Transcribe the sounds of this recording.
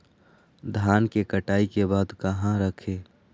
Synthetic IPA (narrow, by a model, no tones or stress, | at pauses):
d̪ʱaːnkekəʈaːikebaːd̪kəɦãɾəkʰeː